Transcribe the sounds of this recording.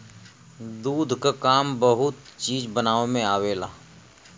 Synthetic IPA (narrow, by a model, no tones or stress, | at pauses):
d̪uːd̪ʱkakaːmbəɦʊt̪̚t͡ʃiːd͡ʒbənaːʋemẽaːweːlaː